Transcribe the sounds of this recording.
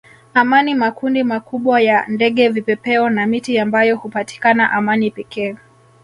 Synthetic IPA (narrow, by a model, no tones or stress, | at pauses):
amanimakundimakuɓwajandɛɠɛvipɛpɛɔnamitiambajɔhupati̥kanaʔamanipɛkʰɛː